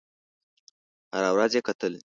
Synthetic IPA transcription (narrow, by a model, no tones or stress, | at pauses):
ha̰ɾawɾazjekat̪əle